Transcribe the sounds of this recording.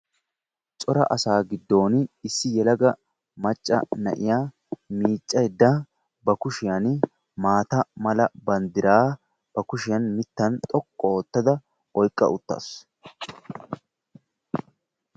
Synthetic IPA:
t͡sʼɔɾɐ̰ʔɐsaːɡɪd̪ːo̞ːnɪsːɪjɛlɐɡɐ | mɐt͡ʃʼːɐ̰nɐ̰ʔɪ̰jaː | miːt͡ʃʼːɐjɛd̪ːa | bɐkʊʃɪjɐn | maːt̪ɐmɐlɐbɐnd̪ɪɾaː | b̥ɐkʊʃɪjɐnmɪt̪ːɐnt̪ʼɔkʼːɔoːt̪ːɐd̪ɐ | ʔɔjkʼːɐ̰ʊt̪ːa̰ːs

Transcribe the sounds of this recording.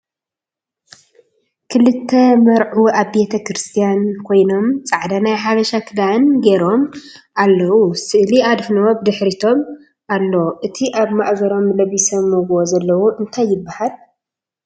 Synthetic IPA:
kʰɨlɨt̪ʰːɐmɐɾʕuʔaβbe̞t̪ʰɐkɾɨst̪ʰijankʰo̞jno̞mt͡sʼaʕd̪anajħaβɐʃakʰɨd̪anɡeɾo̞m | ʔalːɐwusɨʔliad̪fnob̚d̪ɨħɾit̪ʰo̞m | ʔalːoʔɨt̪ʰiʔaβmaʔɡɐɾo̞mlɐβisɐmːuɡozɐlːɐwuʔɨnt̪ʰajːɪbːahal

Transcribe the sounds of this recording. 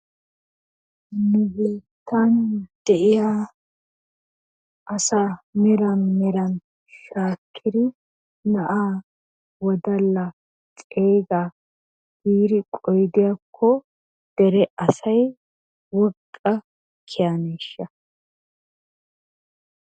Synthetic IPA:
nʊbeːt̪ʰːand̪̥ɛʔɪjaː | ʔɐsaːmɛɾɐnmɛɾɐn | ʃaːkʰːɪd̪ɪ | nɐʔaː | wɔd̪ɐlːɐ | t͡sʼeːɡa | biːɾɪkʼɔjd̪ɪjaːkʰːɔ | d̪̥ɛɾɛʔɐsɐj | wɔkʼːɐ | kʰːɪjaneːʃːɐ

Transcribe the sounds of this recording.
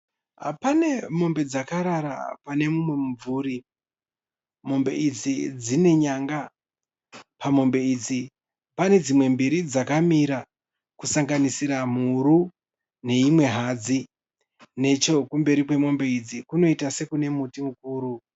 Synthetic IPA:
a̰pane̞mo̞mbe̞d͡zakaɾaɾa̰pane̞mumwe̞muvuɾi | mo̞mbe̞̰id͡zid͡zine̞ɲaŋɡa | pamo̞mbe̞id͡zi | pane̞d͡zimwe̞mbiɾid͡zakamiɾa | kusaŋɡanisiɾam̤uɾu | ne̞imwe̞ɦad͡zi | ne̞t͡ʃo̞kumbe̞ɾikwe̞mo̞mbe̞id͡zikuno̞itase̞kune̞mutimukuːɾu

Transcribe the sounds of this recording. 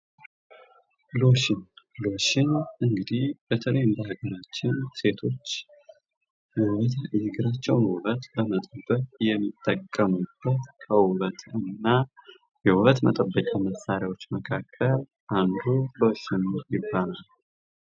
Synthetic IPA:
lo̞ʃɪnlo̞ʃɪnʔɨŋɡɨd̪ihb̥et̪ʰələjɨnd̪əhaɡəɾat͡ʃːɪnse̞t̪ʰo̞t͡ʃː | jɛwət̪ʰzɨɡɨɾat͡ʃːɛwnwʊlət̪bəmət̪ʼəbːəkʼjɛmːit̪ʼːəkʼːəmub̥ːət̪kʰʼəwʊlət̪ʰɨnːa | jɛwʊɾət̪mət̪ʼəbːəkʼaməsːaɾjawo̞t͡ʃːməkʰakʰːəl | ʔand̪ulo̞ʃɪnjɪbːanal

